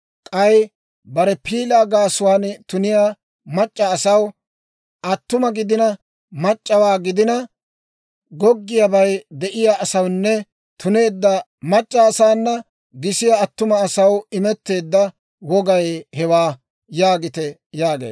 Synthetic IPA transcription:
kʼɐj | bɐɾɛpʰiːlaːɡaːsʊwaːnt̪ʊnɪja | mɐt͡ʃʼːɐːsɐw | ʔɐt̪ːʊmɐɡɪd̪ɪnɐ | mɐt͡ʃʼːɐwaːɡɪd̪ɪnɐ | ɡɔɡːɪjɐbɐjd̪ɛʔɪjaːsɐwnːɛ | t̪ʊne̞ːd̪ːɐ | mɐt͡ʃʼːɐːsaːnːɐ | ɡɪsɪjɐːt̪ːʊmɐːsɐwɪmɛt̪ːe̞ːd̪ːɐ | wɔɡɐjhɛwaː | jaːɡɪt̪ɛjaːɡḛː

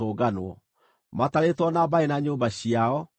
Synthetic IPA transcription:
oːɡanwɔ | mataɾetwɔnabaenaɲoːmbaɕiaɔ

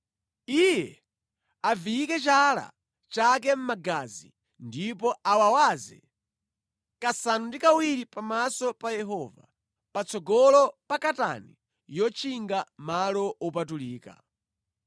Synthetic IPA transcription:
ijɛ | avijikɛt͡ʃala̰ | t͡ʃak̬ɛm̩maɡazḭ | ndipɔawawazɛ | kasanundikawiɾipamasɔpajɛɦɔva̰ | pat͡sʰɔɡɔlɔpakata̰ni | jɔt͡ʃʰiŋɡamalɔɔpatuliːka̰

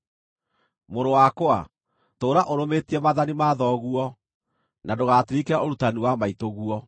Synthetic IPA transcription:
moɾowakoa̰ | toːɾaʔoɾometiɛmaðanimaðɔɣuɔ | nadoɣaːtiɾikeaoɾutaniwamaitoɣuɔ

